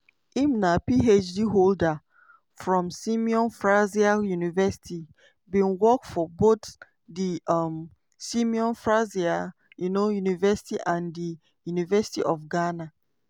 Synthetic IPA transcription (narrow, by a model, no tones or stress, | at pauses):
imnapiet͡ʃdiɦolda | fɹɔ̃msĩmiɔ̃nfɹaziajunivɛsi̥ti | bĩnwɔkfɔbot̪ | diam | sĩmiɔ̃nfɹazia | junojunivɛsi̥tiʔãndi | junivɛsi̥tiʔɔfɡana